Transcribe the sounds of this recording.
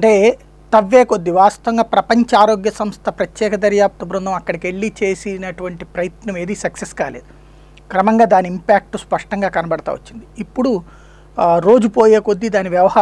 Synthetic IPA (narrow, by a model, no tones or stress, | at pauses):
ɐɳʈeː | t̪ɐʋːeːkod̪ːiʋaːst̪ɐʋɐŋɡaːpɾɐpɐɲt͡ʃɐaːɾo̞ːɡjɐsɐmst̪ʰɐpɾɐt̪jɛːkɐd̪ɐɾjaːp̚t̪ɐbɾund̪ɐmɐkːɐɽɐke̞ɭːit͡ʃe̞ːsinɐʈuʋɐɳʈipɾɐjɐt̪nɐmeːd̪isɐkseskaːlḛːd̪u | kɾɐmɐŋɡaːd̪aːniimpaːk̚ʈuspɐʂʈɐŋɡaːkɐnɐbɐɽɐt̪a̰ːʋot͡ʃːind̪iːpːuɽu | ɾo̞ːd͡ʒupo̞ːjeːkod̪ːid̪aːniʋjɐʋɐhaː